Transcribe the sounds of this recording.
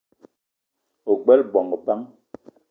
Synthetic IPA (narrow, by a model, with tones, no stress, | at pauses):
o˨ɡ͡bɛ˦lbɔ˨ŋ˨ba˦ŋ